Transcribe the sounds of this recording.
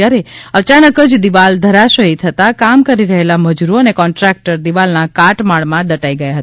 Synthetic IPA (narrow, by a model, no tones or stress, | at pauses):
jaɾeət͡ʃanəkəd͡ʒd̪iʋald̪ʱəɾaʃəɦit̪ʰət̪akamkəɾiɾəɦelaməd͡ʒuɾoənekɔɳʈɾɛk̚ʈəɾd̪iʋalnakaʈmaɭmãd̪əʈaiɡəjaɦət̪